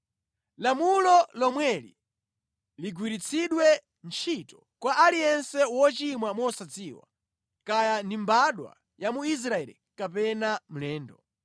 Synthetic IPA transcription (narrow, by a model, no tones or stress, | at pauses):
lamulɔlɔmwɛlḭ | liɡwiɾit͡sʰiɗwɛ | nt͡ʃʰitɔ̥ | kwaʔalijɛnsɛwɔt͡ʃimwamɔsat͡siːwa̰ | kajandimbaɗwa̰ | jamuis̬ɾaɛlḭkapɛnam̩lɛːndɔ